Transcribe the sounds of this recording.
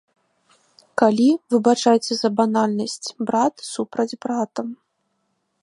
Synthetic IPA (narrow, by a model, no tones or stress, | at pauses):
kalʲivɨbat͡ʂajt͡sʲɛzɐbanalʲnɐsʲt͡sʲbɾat̪supɾɐd͡zʲbɾat̪ɐm